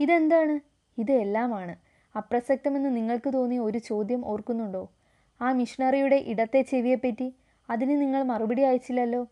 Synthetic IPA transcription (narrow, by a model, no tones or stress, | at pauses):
iðe̞nd̪aːɳɨ | iðɨe̞lːaːmaːɳɨ | ɐprɐsɐk̚t̪ɐme̞nːɨniŋːɐɭkɨt̪o̞ːnːio̞ɾut͡ɕo̞ːd̪jɐmo̞̰ːrkunːuɳɖo̞ː | aːmiʂiɳɐrijuɽe̞ʔiɽɐt̪ːe̞t͡ɕːeʋijɐpːɐtːi | ɐðinɨniŋːɐɭmɐrubɐɽijaːjit͡ɕːilːɐlːo̞ː